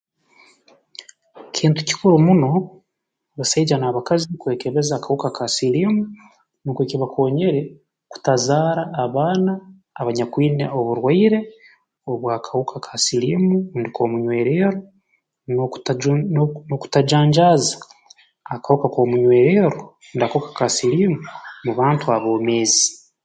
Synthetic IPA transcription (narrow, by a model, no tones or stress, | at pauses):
cʰiːntu̥ci̥kuɾumuno̞ | βasaid͡ʒanaːβakazikwe̞ːke̞βe̞zaːkahukakʰasilimu | nukweciβakʰo̞ːɲe̞ɾe̞ | ku̥tazaːɾaːβaːnaː | βaɲakwiːne̞̰ʔoβuɾwaiɾe̞ | oβwaːkʰahukʰakʰasilimundikʰo̞muɲwe̞ːɾeːɾo | nokt | noku̥tad͡ʒaːɲd͡ʒaːzaː | kahukako̞muɲwe̞ːɾeːɾo | ndakahukḁkasiliːmumuβaːntuaβo̞ːme̞ːzi